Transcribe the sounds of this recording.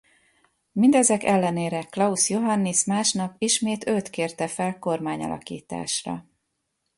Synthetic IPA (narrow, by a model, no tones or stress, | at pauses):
mind̪ɛzɛkɛlːɛneːɾɛklɒusjo̞ɦɒnːismaːʃnɒpiʃmeːt̪øt̪keːrt̪ɛfɛlko̞rmaːɲɒ̰lɒ̰kḭːt̪a̰ːʃrɒ̰